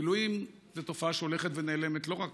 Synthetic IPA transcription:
iluim | zeto̞faaʃeo̞le̞χetve̞ne̞ːle̞metlo̞ʁak

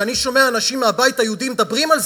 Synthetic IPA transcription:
aniʃo̞meaːnaʃimːeabait̪hajeud̪imed̪abʁimalz

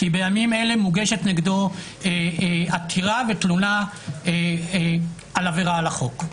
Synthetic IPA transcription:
kibe̞jamime̞le̞muɡeʃetneɡdo̞ | eatʰiʁavetluna | e | alaveʁaːlaχo̞k

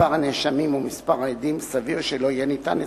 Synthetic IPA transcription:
aʁhaneʃamimumispaʁaed̪imsaviʁʃelo̞ijenit̪a̰ne

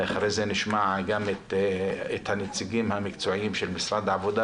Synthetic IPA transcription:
aχɾejzeniʃmaʕɡamet̪et̪hanet͡siɡimhamikt͡soʕimʃelmisɾad̪ʕavod̪a

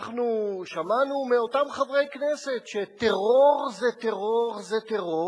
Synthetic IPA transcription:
χnuʃamanumeo̞tamχavʁe̞jkneset̪ʃet̪eʁo̞ʁzet̪eʁoʁzet̪eʁo

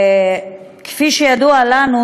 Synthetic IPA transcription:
kfiʃejad̪ualanu

